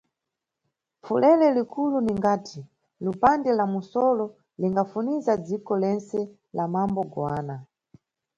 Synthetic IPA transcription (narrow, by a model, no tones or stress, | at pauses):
fulɛlɛlikuluniŋɡaːtʰi | lupandɛlamusɔlɔ | liŋɡafunizad͡zikɔlɛnt͡sɛ | lamambɔɡwaːna